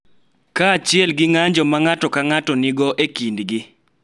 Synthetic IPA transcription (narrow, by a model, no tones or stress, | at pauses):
kat͡ʃɪɛlɡɪŋaɲd͡ʒɔmaŋatɔkaŋatɔnɪɡɔʔekindɡɪ